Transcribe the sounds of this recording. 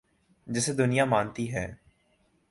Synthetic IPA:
d͡ʒɪsed̪ʊnɪjamaːnt̪iɦɛː

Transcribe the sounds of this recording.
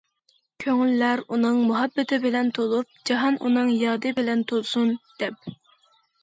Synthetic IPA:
kʲʰøŋylːæɾunɨŋmuɦɑbːɪt̪ʰɪbɪlɛnt̪ʰolˠup̚d͡ʒɑɦɑnʔṵnɨŋjɑːd̪ɨbɪlɛnt̪ʰolˠsund̪̥ɛp̚

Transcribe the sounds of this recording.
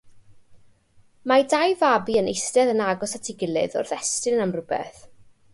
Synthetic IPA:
madajvabiənejstɛðənaɡɔsatʰɪɡɪlˠɨ̰ðɔ̰rðɛstɨnamrʊbɛ̰θ

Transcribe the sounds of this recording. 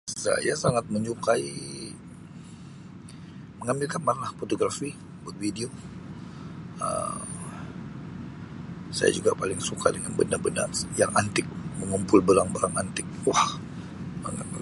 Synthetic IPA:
sa̰jasaŋat̪̚məɲt͡ʃukai | məŋambɪlkanmanlahfot̪oɡɾafi | bət̪̚widio | ə̰ | sa̰ja̰d͡ʒuɡapalɪŋsukʰadəŋanbənabəna̰rjaŋʔant̪ɪk̚məŋumpʊlbəlaŋbaɾaŋant̪ɪk̚wah | mə̰ŋa̰

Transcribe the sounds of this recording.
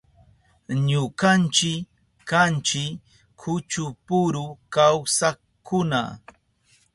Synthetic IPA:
ɲʊkant͡ʃɪk | kant͡ʃɪ | kʰʊt͡ʃʊpʊɾʊkawsa | kʊna̰

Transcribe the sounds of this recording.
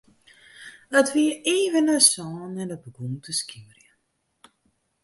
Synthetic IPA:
ətʋiəeːvənəsɔːnːɛdəbəɡumtʰəskimərjə

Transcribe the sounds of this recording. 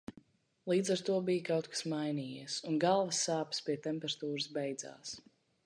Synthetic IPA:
lˠiːd̪zaɾt̪uɔbijkawt̪̚kḁsmajniːjiɛsunɡalˠvəsːaːpspiɛt̪ɛmpɛɾat̪uːɾɨsbɛjd̪z̥a̰ːs

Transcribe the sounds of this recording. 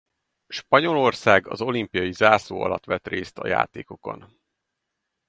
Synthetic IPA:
ʃpɒɲo̞lo̞rsaːɡɒzo̞limpijɒjizaːsoːɒ̰lɒt̪ʋɛt̪reːst̪ɒja̰ːt̪eːko̞ko̞̰n

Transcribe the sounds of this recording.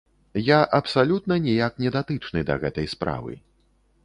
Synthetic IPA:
jaʔɐpsalʲut̪̚nɐnʲijak̚nʲɛd̪at̪ɨt͡ʂnɨd̪ɐ̰ɣɛt̪ɐjspɾa̰vɨ̰

